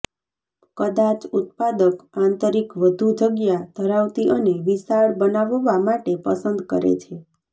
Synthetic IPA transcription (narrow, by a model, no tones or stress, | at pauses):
kəd̪at͡ʃut̪̚pad̪əkãnt̪əɾikʋəd̪ʱud͡ʒəɡjad̪ʱəɾaʋt̪iʔəneʋisaɭbənaʋʋamaʈepəsənd̪kə̰ɾḛt͡ʃʰe